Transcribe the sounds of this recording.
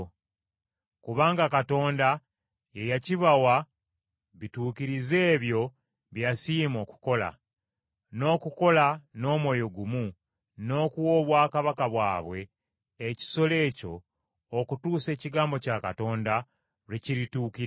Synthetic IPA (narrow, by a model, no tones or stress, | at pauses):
kuβaːŋɡakato̞ːnda | jejaciβawa | βituːkiɾize̞ːβjo̞ | βjasiːmo̞ku̥ko̞la̰ | no̞ːkuko̞lano̞ːmwo̞jo̞ɡumu | no̞kuwo̞ːβwaːkaβakaβwa̰ːβwe̞ː | ci̥so̞le̞ːco̞̰ː | kutuːse̞ːciɡaːmbo̞cakato̞ːnda | ɾeciɾituːkiɾ